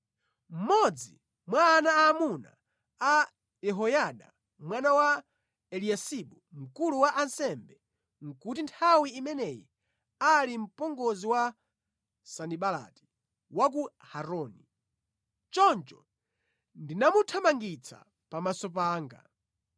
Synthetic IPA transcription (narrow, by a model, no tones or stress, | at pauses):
m̩mɔd͡zḭ | mwaːnaaːmuna̰ | a | jɛɦɔjaɗa̰ | mwanawa | ɛliasiɓum̩kuluwaʔansɛmbɛ | ŋ̩kutintʰawiːmɛnɛjḭ | alim̩pɔŋɡɔziwa | saniɓala̰ti̥ | wak̬u | haɾɔni | t͡ʃɔnt͡ʃɔ | ndinamutʰamaŋɡit͡sʰa̰ | pamasɔp̬aːŋɡa̰